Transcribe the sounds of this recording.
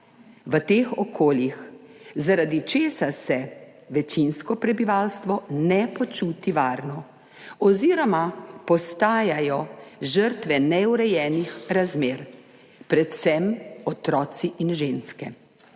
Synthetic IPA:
ʋət̪eːxɔkʰoːljixzaɾad̪it͡ʃeːsasɛ | ʋɛt͡ʃinskɔpɾɛbiʋaːlst̪ʋɔnɛpɔt͡ʃut̪iʋaːɾnɔ | ɔziːɾɔmapɔst̪aːjajɔʒəɾt̪ʋɛnɛuɾɛjɛːnixɾazmeːɾ | pɾɛt̪sɛmɔt̪ɾɔːt̪siʔinʒeːnskɛ

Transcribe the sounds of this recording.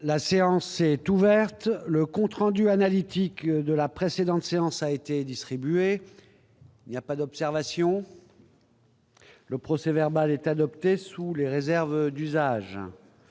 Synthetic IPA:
laseɑ̃sɛt̪uvɛʁt̪ləkɔ̃t̪χɑ̃d̪yanalit̪ikd̪əlapχesed̪ɑ̃t̪seɑ̃saet̪ed̪ist̪χibye | iilnijapad̪ɔpsɛʁvasjɔ̃ | ləpχɔsɛvɛʁbalɛt̪ad̪ɔpt̪esuleʁezɛʁvd̪yzaʒ

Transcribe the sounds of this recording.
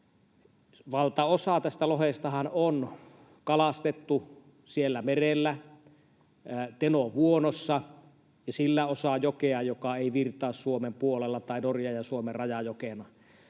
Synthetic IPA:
ʋɑlt̪ɑosɑt̪æst̪ælohest̪ɑhɑnon | kɑlɑst̪et̪ːu | sielːæmerelːæ | t̪enoʋuonosːɑ | jɑsilːæosɑjokeɑjokɑeˑiʋirt̪ˑɑːssuomempuolelːɑt̪ɑˑinorjɑjɑsuomerrɑjɑjokenɑ

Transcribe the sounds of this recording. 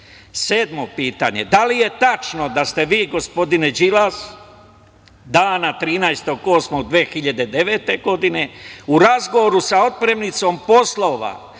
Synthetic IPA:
seːd̪mo̞piːt̪a̰ɲe̞̰d̪alije̞t̪at͡ʃno̞d̪ast̪e̞ʋiːɡo̞spo̞d̪ined͡ʒilas | d̪aːnat̪ɾiːnaest̪o̞ɡo̞ːsmod̪ʋeːxiʎad̪e̞d̪e̞ʋe̞ːt̪e̞ɡo̞d̪ine̞uɾazɡo̞ʋoɾusao̞t̪̚pɾe̞mnit̪so̞mpo̞slˠo̞ʋa̰

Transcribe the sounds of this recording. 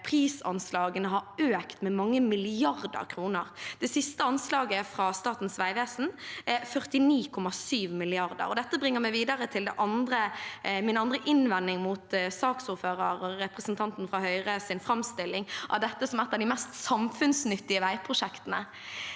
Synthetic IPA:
pʰʁiːsɑ̰nslɑːɡənəɦɑɾøːkt̪mɛmɑŋːəmɪlɪɑʁd̪ə̰ɾkʰɾuːnəʁd̪̥ɛsɪst̪əɑnslɑːɡəfɾɑst̪ɑːt̪n̩sʋæɪʋeːsn̩æfœʁt̪ɪniːkʰɔmɑsyːʋmɪlɪɑʁd̪ə̰ɾɔd̪ɛt̪ːəbʁɪŋːəɾmæɪʋiːd̪əɾət̪ʰɪld̪ɛʔɑnd̪ɾəmɪnɑnd̪ɾəʔɪnʋɛnːɪŋmut̪sɑːksʊɾføːɾəɾɔɾɛpʁəsnt̪ʰɑnt̪n̩fɾɑhœʏʁəsɪnfɾɑmst̪ɪlɪŋʔɑ̰ʋd̪ɛt̪ːəsɔmɛt̪ːəd̪ɪmɛst̪sɑmfʉnsnʏt̪ːɪəʋæɪpʰɾʊʂɛkt̪ənə̰

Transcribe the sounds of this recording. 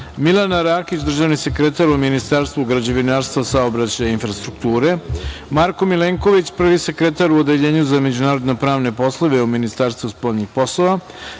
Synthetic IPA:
milˠanaɾaːkit͡ɕd̪r̩ʒaʋnise̞kɾet̪aɾuminist̪aːɾst̪vuɡɾad͡ʑe̞ʋinaɾst̪ʋasaobɾat͡ɕajainfɾast̪ɾukt̪uːɾemaɾko̞mileŋko̞ʋit͡ɕpr̩ʋisekɾet̪aɾuod̪e̞ʎe̞ːɲuzame̞d͡ʑunaːɾod̪nepɾaːʋne̞po̞slˠoʋe̞uminist̪aːɾst̪ʋuspo̞ʎɲixpo̞slˠoʋa

